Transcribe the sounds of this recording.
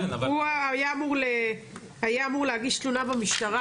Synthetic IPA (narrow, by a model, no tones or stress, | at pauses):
uajaːmuʁle | hajaːmuʁleaɡiʃt̪lunabamiʃt̪aʁa